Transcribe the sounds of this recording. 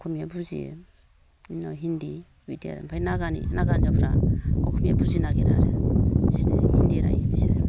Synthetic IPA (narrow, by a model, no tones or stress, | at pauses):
kʰumijabʰuzḭḛ | inaɦindi | widia̰ɾḛmpʰajnaɡanḭnaɡand͡ʒapʰɾaɔ̰kʰumijabuzinaɡeɾaɾesinḛhindiɾa̰jemisiɾḛ